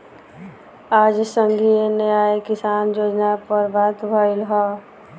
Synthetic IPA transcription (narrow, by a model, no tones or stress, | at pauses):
aːd͡ʒsəŋɡʱieneaekɪsaːnjoːd͡ʒnapəɾbʱat̪bʱʌilɦɔ